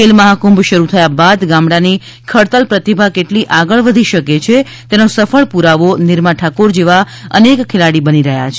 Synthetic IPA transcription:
elməɦakũmbʃəɾut̪ʰəjabad̪ɡãmɽani | kʰəɽt̪əlpɾət̪ibʱakeʈliʔaɡəɭʋəd̪ʱiʃəket͡ʃʰe | t̪enosəfəɭpuɾaʋonɪɾmaʈʰakoɾd͡ʒeʋa | ə̰nekkʰːelaɽibəniɾəɦja̰t͡ʃʰe

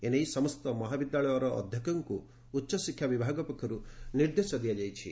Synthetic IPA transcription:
enejsɔmɔst̪ɔmɔɦabid̪jaɭɔjɔɾɔʔːd̪ʱjɔkɔŋkuː | tːʃɔsikʰjabibʱaɡɔpɔkʰjɔɾuniɾd̪esɔd̪ʱijad͡ʒajt͡ʃʰḭ

